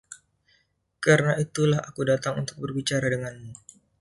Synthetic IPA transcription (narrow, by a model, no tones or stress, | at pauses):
kaɾənait̪ulahakudat̪aŋṵnt̪ʊ̥k̚bərbit͡ʃaɾadəŋanmu